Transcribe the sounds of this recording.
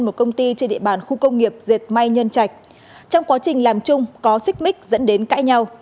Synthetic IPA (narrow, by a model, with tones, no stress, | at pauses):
nmo˨˩t̚kə˧wŋ͡mt̪i˧t͡ɕe˧nɗḭ˧əɓaː˨˩nxu˧kə˧wŋ͡mŋi˨˩əp̚ze˨˩t̚ma˧jɲə˧nt͡ɕa˨˩jk̟̚ | t͡ɕɔ˧wŋ͡mkwaː˨˦t͡ɕï˨˩ŋ̟laː˨˩mt͡ɕʊ˧ŋ͡mkɔ˨˦sï˦˥k̟̚mï˦˥k̟̚zə̰˧˥nɗe˨˦nka̰ː˧˥jɲa˧w